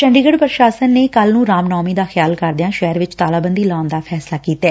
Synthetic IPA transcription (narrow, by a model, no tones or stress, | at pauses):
t͡ʃəɳɖiːɡəɽpəɾʃaːsənːeːkəlnũːɾaːmnɔːmiːd̪aːxɪjaːlkəɾd̪jãːʃɛːɾʋɪt͡ʃt̪aːlaːbənd̪iːlaːnd̪aːpʰɛːslaːkiːt̪ɛː